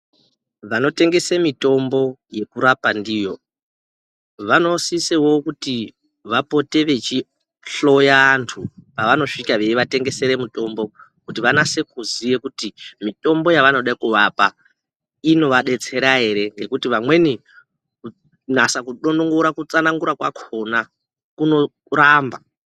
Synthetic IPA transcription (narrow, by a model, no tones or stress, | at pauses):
ʋano̞te̞ŋɡe̞semito̞mbo̞je̞kuɾapandijo̞ | ʋano̞sisewo̞kuti | ʋapo̞te̞ʋe̞t͡ʃi | ɬo̞jaːntʰupaʋano̞ʂikaʋe̞iʋate̞ŋɡe̞se̞ɾe̞muto̞mbo̞ | kutiʋanase̞kuzije̞kutimito̞mbo̞jaʋano̞ɗaikuʋapa | ino̞ʋaɗe̞t͡se̞ɾaɦe̞ɾe̞ŋɡe̞kutiʋamwe̞ni | ku | nasakuɗonoŋɡoɾakut͡sanaŋɡuɾakwakʰo̞na | kuno̞ | ɾaːmba